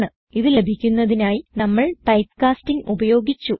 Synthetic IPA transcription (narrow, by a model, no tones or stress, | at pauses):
ɳɨ | iðile̞bʱikʲːunːɐðinaːjinɐmːɐɭpɐjtkaːstiŋubɐjo̞ːɡit͡ɕːu